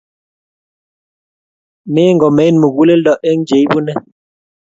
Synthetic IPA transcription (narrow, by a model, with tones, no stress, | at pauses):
me˦ŋɡɔ˨me˨˦nmu˨ɡu˦le˦lɗɔ˦˨ʔe˦ŋ˦d͡ʒe˨˦jbu˦nɛ˦